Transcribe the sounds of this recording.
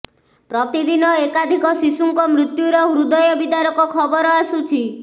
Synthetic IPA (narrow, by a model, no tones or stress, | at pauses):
pɾɔt̪id̪inɔekad̪ʱikɔsisuŋkɔmɾut̪juɾɔɦuɾud̪ɔjɔbid̪aɾɔkɔkʰɔbɔɾɔasut͡ʃʰi